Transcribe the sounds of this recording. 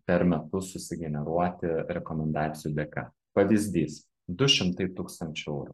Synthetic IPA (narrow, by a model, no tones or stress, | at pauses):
pʲɛɾmʲɛt̪ʊsʊsʲɪɡʲɛnʲɛɾuɔt̪ʲɪɾʲɛkɔmʲɛnd̪ɑːt̪sʲɪjuːd̪ʲɛkɑ̰ | pɐʋʲɪzʲd̪ʲiːs | d̪ʊʃʲɪmt̪ɐɪt̪uːkst̪ɐnʲt͡ʃʲʊɛʊɾṵ